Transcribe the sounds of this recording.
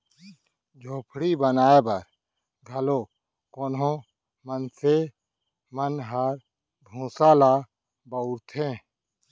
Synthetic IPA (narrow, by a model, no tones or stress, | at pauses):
d͡ʒʱoːpʰɽibənaːebəɾ | ɡ̪ʱəloː | koːnõ | mənse | mənɦəɾ | bʱũːsaːlaː | bəuɾt̪ʰẽː